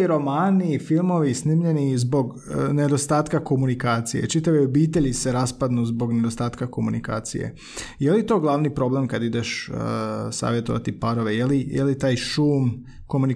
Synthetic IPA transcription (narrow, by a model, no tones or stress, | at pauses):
iɾo̞maːnifilˠmo̞ʋisnimʎe̞nizbo̞ɡ | ne̞d̪o̞st̪aːt̪kako̞munikaːt̪sije̞̰t͡ʃit̪aʋio̞biːt̪e̞ʎiseɾaspad̪nuzbo̞ɡne̞d̪ost̪aːt̪kako̞munḭka̰ːt̪sḭjḛ | jelit̪o̞ːɡlˠaʋnipɾo̞ble̞mkad̪id̪eʃ | sa̰ːʋjet̪o̞ʋa̰t̪ipaɾo̞ʋe̞jelijʔḛlit̪aːjʃuːm | ko̞muni